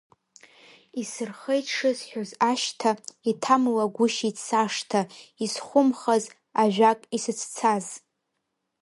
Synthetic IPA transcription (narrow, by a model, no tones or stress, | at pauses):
isɨrχejʂɨzħᶣozaʃtʰaitʰamlaɡʷʊʃit͡sʰaʂtʰaisχʷʊmχaz | aʒᶣakʼisɨt͡sʰt͡sʰaz